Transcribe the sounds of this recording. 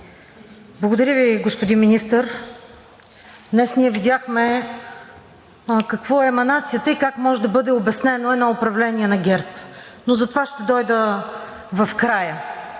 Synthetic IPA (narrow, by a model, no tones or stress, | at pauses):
blˠɐɡʊd̪ɐɾʲəviɡospod̪inminist̪əɾ | d̪nɛsnʲiɛvid̪ʲjaxmɛ | kɐkvɔɛmɐnat̪sijət̪əikakmɔʒɛd̪ɐbɤd̪ɛobɛsnɛnoɛnɔʊpɾɐvlɛniɛnɐɡʲɛɾpnozɐt̪ovaʃt̪ɛd̪ɔjd̪ə | vɐfkɾajə